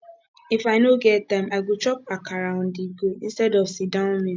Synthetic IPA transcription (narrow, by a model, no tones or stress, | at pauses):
ifaɪnoɡɛttãɪmaɡut͡ʃɔpakʰaɾan̩diɡoĩnstɛdɔvsidãmĩ